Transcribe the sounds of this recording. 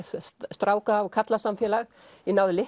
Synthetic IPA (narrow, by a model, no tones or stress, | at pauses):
st̪ɾaːwkaːvkʰat̪lasamfjɛːlaɣinaːwðʏlɪ